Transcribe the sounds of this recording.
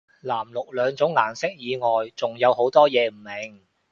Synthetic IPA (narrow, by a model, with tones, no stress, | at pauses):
laː˨˩mlʊ˨k̚lœː˨˧ŋt͡sʊ˨˥ŋlaː˨˩nsɪ˥k̚jiː˨˧ŋɔː˨jt͡sʊ˨ŋjɐ˨˧who˨˥wt̪ɔː˥jɛː˨˧m̩˨˩mɪ˨ŋ